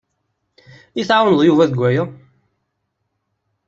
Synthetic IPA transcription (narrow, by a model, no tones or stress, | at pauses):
iθʕawənðˤjuvæðəɡʷæjæ